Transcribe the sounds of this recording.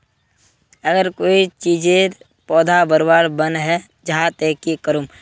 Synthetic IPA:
əɡəɾkoːit͡ʃiːd͡ʒe | pɔːd̪ʱabəɾbaːɾbənɦɛ | d͡ʒəɦãt̪eːkikəɾum

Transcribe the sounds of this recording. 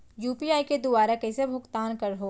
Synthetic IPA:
juːpiaːiked̪ʊbaːɾakɛsebʱʊkt̪aːnkɐɾɦoː

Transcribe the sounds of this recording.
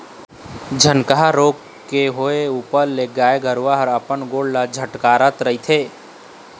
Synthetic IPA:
d͡ʒʱənkəɦaɾoːɡ | keɦoeuːpəɾleɡaːeɡəɾʋaɦəɾəpənɡoːɽlad͡ʒʱəʈkaːɾət̪ɾəit̪ʰeː

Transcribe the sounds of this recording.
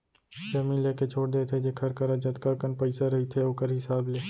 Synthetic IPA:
ʃeːmĩleːket͡ʃʰoːɽd̪eːt̪ʰed͡ʒeːkʰəɾkəɾad͡ʒət̪kakənpəɪsaɾəɦit̪ʰeoːkəɾɦɪsaːbleː

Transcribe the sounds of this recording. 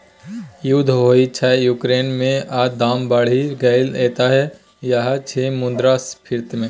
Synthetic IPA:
jud̪ʱɦoːit͡ʃʰajuːkɾeːnmẽaːd̪aːmbəɽ̤iɡɐɪleːt̪aɦɛ | jaɦat͡ʃʰemʊ̃nd̪ɾaspʰɪɾt̪mẽ

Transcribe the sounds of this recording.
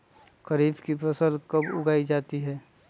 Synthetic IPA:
kɐɾiːbkipʰɐsəlkɐbʊ̰ɡaːid͡ʒaːt̪iɦɛː

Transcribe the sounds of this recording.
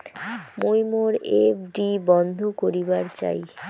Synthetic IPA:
mojmoɾefɖibɔnd̪ʱokoɾibaɾt͡ɕa̰j

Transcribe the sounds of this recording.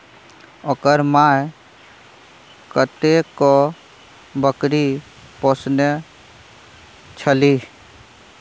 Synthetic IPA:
ɔkəɾmaːj | kət̪eko | bəkɾi | posne | t͡ʃʰəli

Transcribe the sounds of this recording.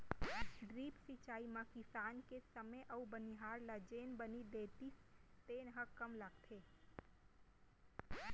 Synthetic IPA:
ɖɾiːpsit͡ʃaːimãkɪsaːnkesəməʔɐubəniɦaːɾlad͡ʒeːnbənid̪eːt̪ist̪eːnɦəkəmlaɡt̪ʰeː

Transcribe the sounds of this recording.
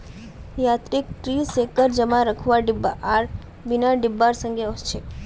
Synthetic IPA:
jat̪ɾik̚ʈɾisekəɾd͡ʒəmãɾəkʰʋaɖibaʔaɾ | binaɖibːaɾsəŋɡeɔst͡ʃʰe

